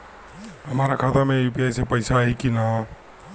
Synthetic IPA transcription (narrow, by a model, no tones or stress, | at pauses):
ɦəmaɾakʰat̪ameupijajsepəɪsaɦikina